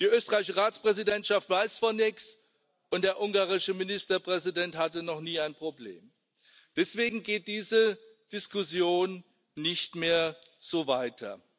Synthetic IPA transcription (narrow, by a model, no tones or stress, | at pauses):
d̥iːʔøːstəʁaɪɪʃəʁaːt͡spʁ̥ɛzidɛntʃaftv̥aɪsfɔnɪks | ʔʊnt̚d̥eːɐʔʊŋɡaːʁɪʃəmɪnɪstɐpʁ̥ɛzidɛnthatənɔχniːaɪnpʁ̥oblḛːm | d̥ɛsv̥eːɡŋ̩ɡeːt̚d̥iːzə | d̥ɪskʊsjoːnː | ɪçtmeːɐz̥oːvaɪtʰɐ̰